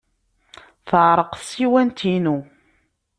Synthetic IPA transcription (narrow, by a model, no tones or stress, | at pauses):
θəʕɾˤəqsiwænt̪inu